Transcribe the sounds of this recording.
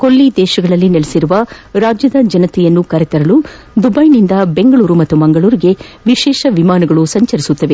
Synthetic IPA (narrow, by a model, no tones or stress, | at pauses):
kolːid̪ɛːʃɐɡɐɭɐlːinelesiɾuʋɐɾaːd͡ʒjɐd̪ɐd͡ʒɐnɐt̪ɛjɐnːukɐɾet̪ɐɾɐlu | d̪ubɐjnind̪ɐbe̞ŋɡɐɭuːɾumɐt̪ːumɐŋɡɐɭuːɾiɡe̞ | ʋiʃɛːʃɐʋimaːnɐɡɐɭusɐɲt͡ʃɐɾisut̪ːɐʋe̞